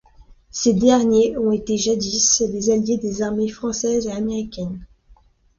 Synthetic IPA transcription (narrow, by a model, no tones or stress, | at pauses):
sed̪ɛʁnjeɔ̃et̪eʒad̪islezaljed̪ezaʁmefχɑ̃sɛzeameʁikʲɛn